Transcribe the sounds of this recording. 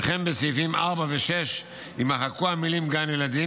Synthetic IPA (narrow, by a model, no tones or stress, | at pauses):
χembesifimaʁbaveʃeʃ | imaχakuamilimɡanjelad̪i